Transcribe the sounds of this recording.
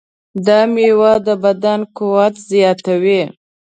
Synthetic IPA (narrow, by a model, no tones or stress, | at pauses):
d̪ɑmewad̪əbad̪ankuwat̪zjɑt̪awi